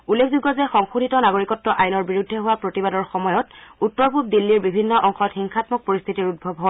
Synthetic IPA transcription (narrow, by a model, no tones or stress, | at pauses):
ulːekʰzuɡɔzɛxɔŋxudʱitɔnaɡoɹikɔtːɔʔajnɔɹbiɹudʱːɛɦʊwapɹotibadɔɹxɔmɔjɔtutːɔɹpup̚dilːiɹbibʱinːɔʔɔŋxɔtxiŋxʰatmɔk̚poɹist̪ʰitiɹut̚bʱɔbʱɦɔ